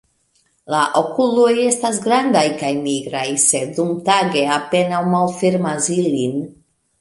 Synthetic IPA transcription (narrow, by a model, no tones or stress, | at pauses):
laʔo̞kulo̞je̞stas̬ɡɾandajkajmiɡɾajse̞dumtaɡe̞ape̞nawmalfeɾmasilin